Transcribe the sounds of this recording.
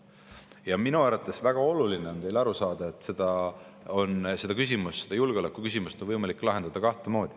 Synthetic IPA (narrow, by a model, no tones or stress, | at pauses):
jɑminuæɾɑt̪ːˑe̞svæɡ̥ɑo̞lulineo̞nt̪e̞jlɑɾusɑːd̪̥ɑe̞t̪ːˑse̞d̪ɑo̞nse̞d̪̥ɑkys̬ʲimusse̞d̪ɑjulɡ̥eo̞lekːˑukys̬ʲimust̪onvɤjmɑlikːˑlɑɦe̞nd̪̥ɑd̪ɑkɑht̪emo̞ːd̪̥i